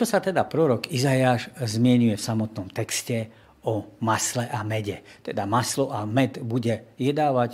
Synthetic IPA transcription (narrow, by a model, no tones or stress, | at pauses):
t͡ʃɔsat̪ɛd̪apɾɔɾɔkizajaːʃzmɪɛɲujɛfsamɔt̪nɔmt̪ɛkscɛ | ɔmaslɛʔamɛɟɛt̪ɛd̪amaslɔʔamɛt̪buɟɛjɛd̪aːʋac